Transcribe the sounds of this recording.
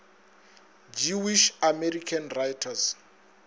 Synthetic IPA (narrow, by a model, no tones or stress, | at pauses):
d͡ʒiwiʃamɛrikʰanrajtʰas